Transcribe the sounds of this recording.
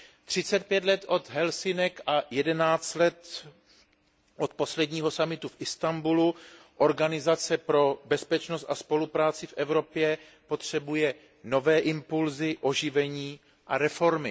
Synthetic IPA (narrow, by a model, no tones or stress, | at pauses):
t̪r̝̥ɪt͡sɛt̪̚pjɛt̪lɛt̪ʔo̞t̪ɦɛlsɪnɛkʔajɛdɛnaːt͡st̪lɛt̪ | ʔot̪̚po̞slɛdɲiːɦo̞samɪt̪ufʔɪst̪ambulu | ʔo̞ɾɡanɪzat͡sɛpɾo̞bɛspɛt͡ʃnost̪aspo̞lupɾaːt͡sɪfʔɛvɾo̞pjɛ | po̞t̪r̝̥ɛbujɛ | no̞vɛːʔɪmpulzɪʔo̞ʒɪvɛɲiː | ʔaɾɛfo̞ɾmɪ